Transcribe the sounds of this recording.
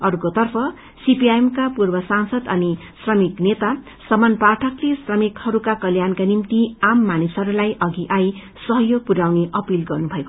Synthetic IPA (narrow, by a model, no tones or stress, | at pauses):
ʌrkot̪ʌrpʰʌ | sipiaemkapurbʌsansʌd̪ʌni | srʌmiknet̪a | sʌmanparʈʰʌklesrʌmikhʌɾukakʌljankanimt̪iamːanisʌɾulajʔʌɡiʔaj | sʌɦʌjoɡ̚puɾawneʔʌpilɡʌrnubʱʌeko